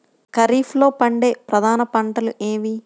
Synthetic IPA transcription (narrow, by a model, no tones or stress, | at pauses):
kɐɾiːflo̞ːpɐɳɖe̞ːpɾɐd̪ʱaːnɐpɐɳʈɐluʔeːmi